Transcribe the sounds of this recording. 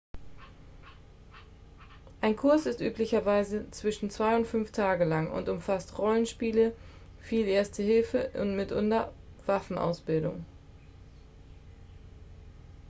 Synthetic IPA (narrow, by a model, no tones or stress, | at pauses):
ʔaɪnkʰʊɐsɪstʔyːplɪçɐvaɪzət͡sv̥ɪʃn̩t͡sv̥aɪʊntfʏnftʰaːɡəlaŋʊ̰ntʊmfastʁɔlənʃpiːlə | fiːlʔeːɐstəhɪlfəʔʊ̰ntmɪtʔʊ̰ndɐv̥afn̩ʔa̰ʊsb̥ɪldʊ̰ŋ